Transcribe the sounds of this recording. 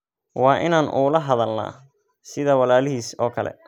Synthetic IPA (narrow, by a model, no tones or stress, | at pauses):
wɑːʔɪnaːnʔṵːlɐɦɐðɐlna̰ː | sɪðɐwɑlaːlɪɦiːsɔːkʰɐlɛ̰